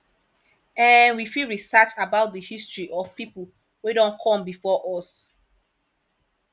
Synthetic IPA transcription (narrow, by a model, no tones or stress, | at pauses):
ɛ̃nwifilɹisat͡ʃabaʊt̚dəhistɹiʔɔv̥pipul | wedɔ̃nkʰɔ̃mbifɔʔɔs